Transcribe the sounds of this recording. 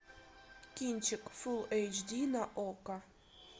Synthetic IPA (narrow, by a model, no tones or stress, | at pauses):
kʲinʲt͡ɕɘkfulejt͡ɕd̪ʲinaʔokɑ